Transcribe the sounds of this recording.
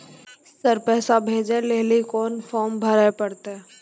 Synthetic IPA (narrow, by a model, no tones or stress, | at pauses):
səɾpɛːsabʱeːd͡ʒeleːlikoːnfɔːmbʱəɾapɐɽt̪e